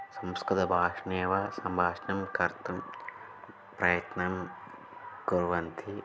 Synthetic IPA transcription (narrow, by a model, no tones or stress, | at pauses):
sɐmskɾut̪ɐbʱaːʂneːʋɐsɐmbʱaːʂnɐmkɐɾt̪ʰɐm | pɾɐjɐt̪nɐm | ɡuɾʋɐnt̪ʰi